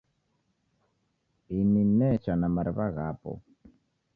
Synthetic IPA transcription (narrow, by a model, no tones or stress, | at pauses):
ininɛt͡ʃanamaɾɪβaɣapɔ̰